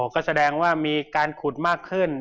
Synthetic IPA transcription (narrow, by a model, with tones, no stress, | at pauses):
o˨˦kɔː˥˩sa˧dɛː˧ŋwaː˥˩miː˧kaː˧nkʰu˨˩t̪̚maː˥˩kʰːɯ˥˩n